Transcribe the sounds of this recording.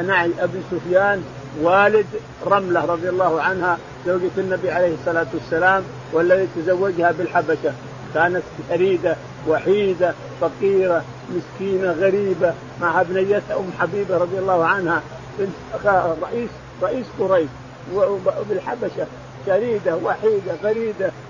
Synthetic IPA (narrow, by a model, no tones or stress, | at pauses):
ʔanaʕiʔabisʊfjaːn | waːlɪd̪ | ɾˤɑmlaɾˤɑd̪ˤɨjalˤːɑːhʕanha | zawːɡat̪anːabiʕalejhɪsˤːɑlaːt̪wasːalaːm | walːat̪it̪azawːad͡ʒhabɪlħabaʃa | kaːnat̪faɾiːd̪a | waħiːd̪a | fɑqiːɾa | mɪskiːnaɣaɾiːba | maʕhabnajːat̪haʔʊmːħabiːbaɾˤɑd̪ˤɨjalˤːɑːhʕanha | bɪn | ɾˤɑʔiːs | ɾˤɑʔiːskʊɾajʃ | bɪlħabaʃa | ʃaɾiːd̪awaħiːd̪aɣaɾiːd̪a